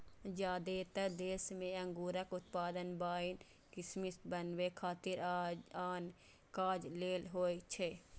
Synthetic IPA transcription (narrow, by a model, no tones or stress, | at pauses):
d͡ʒaːd̪et̪əɾd̪eːsmẽɐ̃ŋɡuːɾəkʊt̪̚paːd̪ənbaːɪn | kismɪst̪bənwekʰaːt̪ɪɾaːn | kaːd͡ʒleːlɦoːjt͡ʃʰe